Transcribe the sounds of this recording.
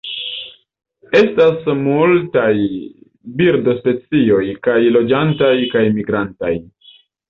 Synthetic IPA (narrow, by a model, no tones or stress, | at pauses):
e̞stasmultaj | biɾdo̞spe̞t͡sio̞jkajlo̞d͡ʒantajkajmiɡɾanta̰j